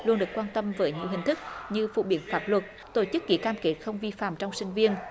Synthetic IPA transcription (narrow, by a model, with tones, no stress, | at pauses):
lu˧ənɗɨ˨˩əkwaː˧nt̪ə˧mvəː˨˦jɲi˧˩əɦï˨˩ŋ̟t̪ɨ˦˥k̚ɲɨ˧fṵ˧˨ɓi˨˧˩ənfaː˦˥p̚lwə˨˩t̚ | t̪o˧˩t͡ɕɨ˦˥k̚ːḭ˧˩˦kaː˧mke˦˥t̚xə˧wŋ͡mvi˧fa̰ː˧˨mt͡ɕɔ˧wŋ͡msï˧ŋ̟vi˧ən